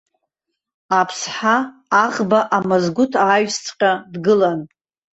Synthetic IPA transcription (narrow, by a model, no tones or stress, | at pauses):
apʰsħaːʁbaʔamazɡʷʊtʰaːɥst͡sʼqʲʼadɡɨlan